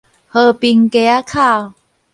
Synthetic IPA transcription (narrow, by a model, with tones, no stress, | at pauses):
hə˧˩pi˧ŋke˧a˦kʰa˥˩˨w